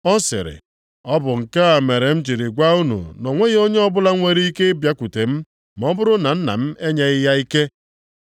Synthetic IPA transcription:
ɔ˦sɪ̰˨ɾɪ̰˨ | ɔ˦bʊ˨ŋ̩˨ka˦a˨me˨ɾe˨m̩˦d͡ʒi˨ɾi˨ɡʷa˦u˦nṵ˨nɔ˨ŋʷe˦ɣe˦o˦ɲe˦ɔ˦bʊ˦la˦ŋʷe˨ɾi˦i˦ke˦bja˦kʷu˨te˨m̩˦ | m˨˦ɔ˦bʊ˦ɾʊ˦na˨n̩˦na̰˨m̩˦e˦ɲe˨ɪ˦ja˦i˦ke˦

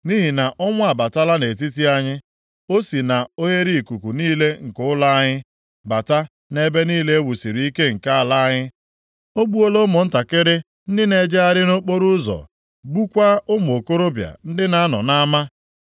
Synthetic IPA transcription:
ni˦ɦi˨na˨ʔɔ˦ŋʷ˦a˨ba˨ta˦la˦ne˨t̬i˦t̬i˦a˦ɲɪ˦ | o˦si˨na˨o˦ɦe˦ɾi˦˨ku˨ku˨niː˦le˦ŋ̩˨kʊ˦ʊ˦la˦a˦ɲɪ˦ | ba˨ta˦ | ne˦be˦niː˦le˦e˦wu˨si˨ɾi˨˦i˦ke˦ŋ̩˨ka˦a˨la˦a˦ɲɪ˦ | o˦ɡ͡bu˦o˦lo˦mʊ˨n̩˦ta˨kɪ˦ɾɪ˦ | n̩˦dɪ˦ne˨d͡ʒe˦a˦ɾɪ˦no˦k͡po˦ɾu˦zɔ̰˨ | ɡ͡bu˦kʷa˦ʊ˦m˨o˨ko˦ɾo˦bja̰˨n̩˦dɪ˦na˦a˦nɔ̰˨na˦ma˦

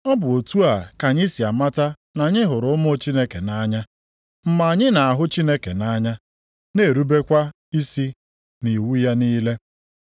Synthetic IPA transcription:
ɔ˦bʊ˨o˨tu˦a˨ka˨ɲi˦si˨a˨ma˦ta˦ | na˨ɲɪ˦ɦʊ˨ɾʊ˦ʊ˦m˦o˦t͡ʃi˦ne˦ke˨na˦ɲa˦ | m̩˦ma˨a˨ɲɪ˦na˨a˨ɦʊ˦t͡ʃi˦ne˦kḛ˨na˦ɲa˦ | ne˨ɾu˦be˦kʷa˦ | i˦si˦ | ni˨wu˦ja˦niː˦le˦

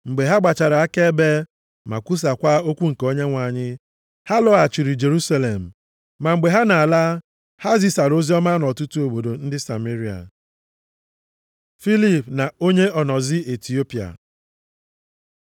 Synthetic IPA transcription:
ŋ͡m̩˨ɡ͡be˨ɦa˦ɡ͡ba˨t͡ʃa˨ɾa˨a˦ke˦be˦ | ma̰˨kʷu˦s̬a˨kʷa˦o˦kʷu˦ŋ̩˨ko˦ɲe˦ŋʷa˨ɲɪ˦ | ha˦lɔ˦a˨t͡ʃi˨ɾi˨d͡ʒe˨ɾu˦sa˦le˨m̩˨ | ma˨ŋ͡m̩˨ɡ͡be˨ɦa˦na˨a˨la˦ | ha˦zi˦sa˨ɾo˦zi˦ɔ˦ma˦nɔ˨tu˦tu˦o˨bo˨do˨n̩˦dɪ˦sa̰˨me˦ɾi˨a̰˨ | fi˦li˦pna˨o˦ɲe˦ɔ˨nɔ˨zɪ˦e˨ti˨o˦pi˨a̰˨

